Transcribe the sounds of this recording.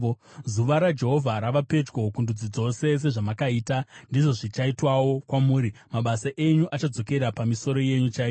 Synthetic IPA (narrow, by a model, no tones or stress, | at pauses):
zuʋaɾad͡ʒe̞ɦo̞vʱaɾaʋape̞d͡ʒɡo̞kundud͡zid͡zo̞se̞s̬e̞ʐamakaiːtandiʐo̞ʐit͡ʃaitwawo̞kwamuːɾimaɓasaʔe̞ɲuʔat͡ʃad͡zo̞ke̞ɾapamiso̞ɾo̞je̞ɲut͡ʃai